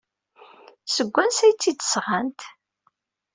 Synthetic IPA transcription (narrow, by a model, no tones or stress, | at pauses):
səɡʷːænsæjt͡sːid̪ə̥sʁant̪